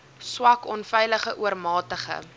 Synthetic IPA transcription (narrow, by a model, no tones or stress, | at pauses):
swɐkɔnfɛjləχəʔuərmɑːtəχə̰